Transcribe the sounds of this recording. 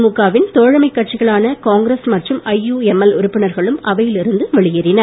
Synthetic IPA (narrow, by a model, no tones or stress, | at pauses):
mukːaːʋɪnt̪oːɻɐmɐɪkːɐʈ̚t͡ʃɪɣɐɭaːnɐkaːŋɡɾesmɐʈrɯmɐjːuːɛmɛlʊɾʊpːɪnɐɾɣɐɭɯmɐʋɐjɪlɪɾɯnd̪ɯʋɛɭɪjɪɾɪnɐ